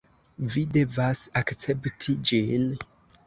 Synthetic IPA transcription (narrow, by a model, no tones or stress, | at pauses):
vide̞vasakt͡septʰid͡ʒin